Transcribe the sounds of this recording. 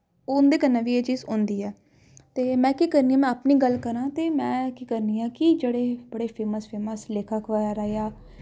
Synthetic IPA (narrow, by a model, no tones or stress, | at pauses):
ʊnd̪eːkənːãːʋiːeːt͡ʃiːzʊ̃ːnd̪iːɛː | t̪eːmɛ̃ːkiːkəɾnĩːãːmɛ̃ːəpniːɡəlkəɾãːt̪eːmɛ̃ːkiːkəɾniːãːkid͡ʒeːɽeːbəɽeːpʰeːməspʰeːməsleːkʰaːkʰʋaːjaːɾaːeaː